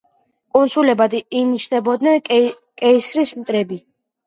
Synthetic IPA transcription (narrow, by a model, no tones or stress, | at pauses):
kʼɔnsulɛbad̪iːniʃnɛbɔd̪nɛn | kʼɛisɾismt̪ʼɾɛbi